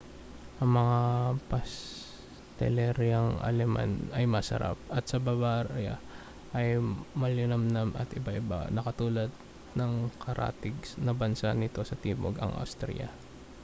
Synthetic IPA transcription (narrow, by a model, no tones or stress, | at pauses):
ʔɐŋmɐŋapɐs | t̪ɛ̰lɛɾjɐŋɐ̰lɛmʔa̰nɐjmɐsɐ̰ɾa̰p̚ɐt̪̚sɐbɐbaːɾa̰ | ʔɐjmɐlɪnɐmnɐmɐ̰t̪ʔɪbaʔɪba̰nɐkɐt̪uːlɐd̪̚ | nɐŋkʰɐɾʔa̰ːt̪ɪɡ̚snɐbɐnsanɪt̪o̞sɐt̪iːbo̰ɡɐ̰ŋʔa̰wst̪ɾɛ̰jɐ̰